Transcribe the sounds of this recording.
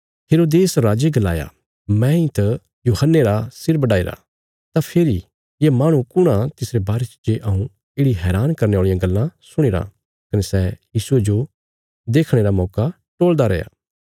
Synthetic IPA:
ɦeːɾoːd̪eːsɾaːd͡ʒeɡɐlaːja̰ | mɛ̃ĩt̪ɐ | juːɦənːeɾasɪɾbɐɽaːeɾa̰ | t̪apʰeːɾi | jemaːɽ̃ũkʊɽ̃ãt̪ɪsɾebaːɾet͡ʃd͡ʒeʔɐũ | ɪːɽiɦɛːɾaːnkɐɾneaːɭijãɡɐlːãsʊɽ̃eːɾa̰ | kɐnesɛjiːsued͡ʒo | d̪eːkʰɽ̃eɾamɔːka | ʈoːld̪aɾɛja̰ː

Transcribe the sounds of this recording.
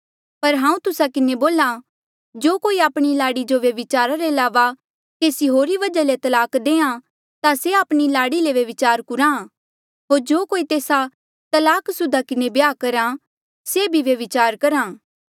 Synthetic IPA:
pɐɾɦãːũt̪ʊsakɪneboːla | d͡ʒoːkoːiaːpɽ̃ilaːɽid͡ʒoʋjɐʋɪt͡ʃaːɾaɾeɐlaːʋa | keːsiɦoːɾiʋɐd͡ʒalet̪ɐlaːkd̪ẽːã | t̪aseaːpɽ̃ilaːɽileʋɐʋɪt͡ʃaːɾkʊɾã | ɦoːɾd͡ʒoːkoːit̪eːsa | t̪ɐlaːksʊd̪ʱakɪnebjaːkɐɾa | sebʱiʋjɐʋɪt͡ʃaːɾkɐɾãː

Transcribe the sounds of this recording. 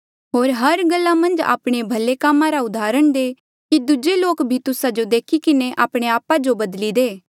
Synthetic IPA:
ɦoːɾɦɐɾɡɐlːamɐ̃nd͡ʒa̰ːpɽ̃ebʱɐlekaːmãɾaʊd̪aːɾəɽ̃d̪eː | kid̪ʊd͡ʒeloːkbʱit̪ʊsad͡ʒod̪eːkʰikɪneʔaːpɽ̃eaːpad͡ʒobɐd̪lid̪eː

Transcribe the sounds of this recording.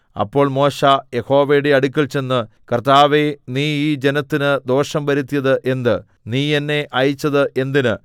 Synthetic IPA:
ɐ̰pːo̞ːɭmo̞ːɕaje̞ho̞ːʋejɽe̞ɐɽukʲːɐlt͡ɕe̞nːɨ | kɐrt̪aːʋe̞niːiːd͡ʑe̞nɐt̪ːinɨd̪o̞ːʂɐmbɐɾut̪ːijɐðɨʔe̞nd̪ɨ | niːenːe̞ʔɐjit͡ɕːɐðɨʔe̞nd̪inɨ

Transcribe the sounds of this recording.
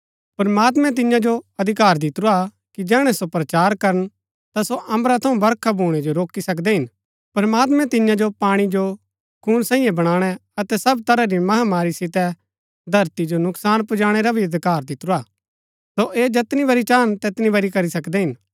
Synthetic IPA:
pɐɾmaːt̪mɛ̃t̪̬ɪjãd͡ʒoɐd̪ʱɪkaːɾd̪ɪt̪ɾua | kid͡ʒɛːɽ̃ɛsopɾɐt͡ʃaːɾkɐɾən | t̪asoʔɐ̃mbɾat̪ʰɐũbɐɾkʰabʱuːɽ̃ɛd͡ʒoɾoːkisɐkd̪ɛɦɪn | pɐɾmaːt̪̬mɛ̃t̪ɪjãd͡ʒopaːɽ̃id͡ʒo | kʰuːɽ̃sãːĩjɛ̃bɐɽ̃aːɽ̃ɛɐt̪ɛsɐbt̪ɐɾaɾimɐɦamaːɾisɪt̪ɛ | d̪ʱɐɾt̪id͡ʒonʊksaːnpʊd͡ʒaːɽ̃eɾabʱiɐd̪ʱɪkaːɾd̪ɪt̪ɾuaː | soʔeːd͡ʒɐt̪nibɐɾit͡ʃaːnt̪eːt̪nibɐɾikɐɾisɐkd̪ɛɦɪn

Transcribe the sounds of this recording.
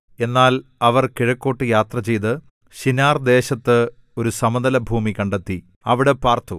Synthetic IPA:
e̞nːaːlɐʋɐrkiɻɐkːo̞ːʈːɨjaːt̪rɐt͡ɕe̞jt̪ɨ | ɕinaːrd̪e̞ːɕɐt̪ːɨ | o̞ɾusɐmɐðɐlɐbʱuːmikɐɳɖet̪ːi | ɐʋiɽepaːrt̪ʰu

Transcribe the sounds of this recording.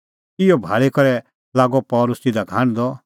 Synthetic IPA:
ɪjɔbʱaːɭekɐɾɛ | laːɡɔpɔːlʊsid̪aɡʱaːɽ̃d̪ɔ

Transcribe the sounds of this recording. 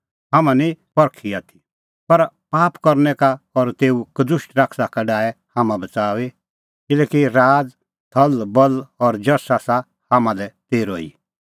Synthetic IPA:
ɦamãnĩpɔɾkʰiaːt̪ʰi̥ | pɐɾpaːpkɐɾnɛkaɔɾt̪eːukədʊʃʈɾaːkʰsakaɖaːɛhãːmãbɐt͡saːʋe | kɪlɛːkiɾaːd͡z | t̪ʰɐlbɐlɔɾd͡ʒɐɾsasa | hamãlɛt̪eːɾoːḭ

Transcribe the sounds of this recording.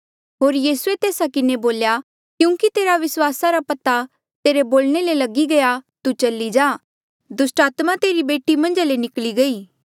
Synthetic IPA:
ɦoːɾjiːsuet̪eːsakɪneboːlja | kjũːkit̪eːɾaʋɪswaːsaɾapɐt̪a | t̪eːɾeboːlɽ̃elelɐɡiɡɐjat̪ut͡ʃɐlːid͡ʒaː | d̪ʊsʈaːt̪mat̪eːɾibeːʈimɐ̃nd͡ʒalenɪkliɡɐiː

